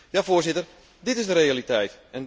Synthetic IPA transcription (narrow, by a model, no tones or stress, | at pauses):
jaːfoərsɪtər | dɪtɪzdəɾealitɛjtɛn